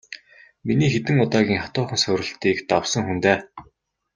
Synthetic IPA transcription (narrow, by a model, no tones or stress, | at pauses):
miniːxet̪ɘ̆ŋʊt̪aːɣʲiːŋχat̪ʊːχə̆nsʊɾɘ̆ɬt̪iːkt̪awsə̆ŋxunt̪eː